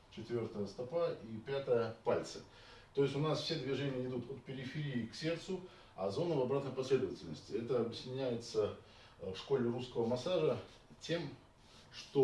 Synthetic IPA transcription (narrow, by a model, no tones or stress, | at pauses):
t͡ɕɪt̪vʲo̞rt̪əjəst̪ɐpaipʲat̪əjəpalʲt̪sə | t̪o̞jɪsʲʊnasfsʲed̪vʲɪʐenʲɪjəɪd̪ut̪ot̪̚pʲɪɾʲɪfʲɪɾʲiːksʲe̞rt̪sʊ | ɐ̰zo̞nəvɐbɾat̪nəjpɐsʲlʲe̞d̪əvətʲɪlʲnəsʲtʲɪɛt̪əɐbʲɪsʲɪnʲæjɪt̪sə | fʂko̞lʲɪruskəvəmɐsaʐə | tʲe̞m | ʂt̪o